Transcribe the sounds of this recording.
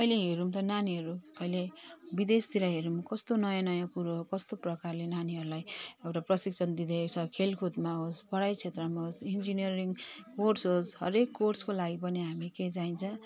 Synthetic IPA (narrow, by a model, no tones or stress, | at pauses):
ʌjleɦeɾumt̪ʌnaniɦʌɾuʌjlebid̪est̪iɾʌɦeɾumkʌst̪onʌjanʌjãkuɾoɦkʌst̪oprʌkarlenaniɦʌɾulajewʈaprʌsikt͡sʰʌnd̪id̪et͡sʰʌkʰelkʰud̪maɦospʌɽajt͡sʰet̪rʌmaɦosind͡zinijʌɾiŋkorsɦosɦʌ̰ɾekːorskolaɡipʌniɦamiked͡zaint͡sʰʌ̃